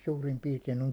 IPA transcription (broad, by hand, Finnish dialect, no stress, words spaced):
suːrim piːrtein oŋ